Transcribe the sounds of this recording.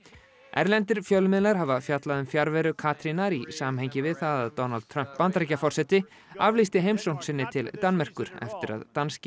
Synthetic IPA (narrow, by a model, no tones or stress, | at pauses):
ɛ̰ɾlɛnt̪ɪɾ̥fjœlmɪðlaɾ̥havafjat̪laðʏmfjaɾvɛɾʏkʰaːt̪ɾinaɾisaːmhɛjɲcɪvɪðθaðaðt̪ɔnalt̪ʰːɾœm̥pːant̪ɾɛcafɔr̥sɛt̪ɪ | avlist̪ɪɦejmsown̥sɪnːɪt̪ʰɪlt̪anːmɛr̥kʏɾ̥ɛ̰ft̪ɪɾa̰ðt̪anscɪ